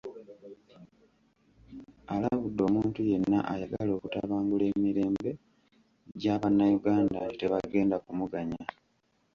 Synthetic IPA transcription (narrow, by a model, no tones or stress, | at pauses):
alaβudːo̞ːmuːntuje̞nːaʔajaɡalo̞ːkutaβaːŋɡule̞ːmiɾe̞ːmbe̞ | ɟaːβanːajuɡaːnda̰te̞βaɡe̞ːndakumuɡaɲa